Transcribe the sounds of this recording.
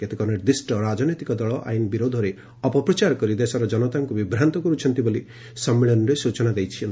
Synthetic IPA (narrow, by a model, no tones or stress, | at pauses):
ket̪ekɔɾneʈd̪ɾisʈɔɾad͡ʒɔnet̪ikɔd̪ɔɭɔʔa̰jnbiɾod̪ʱɔɾe | ɔpɔpɾɔt͡ʃaɾkɔɾid̪esɔɾɔd͡ʒɔnɔt̪aŋkubibɾant̪ɔkɔɾut͡ʃʰɔnt̪iboli | sɔmːeɭɔnɔɾesut͡ʃɔnad̪ejt͡ʃʰin